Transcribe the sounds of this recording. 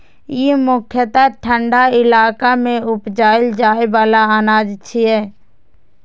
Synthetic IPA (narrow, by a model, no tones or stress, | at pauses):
jemʊkʰjət̪aʈʰə̃ɳɖaɪlaːkamẽʊpd͡ʒaːɪld͡ʒaːeʋaːlaaːnaːd͡ʒt͡ʃʰiɦɛː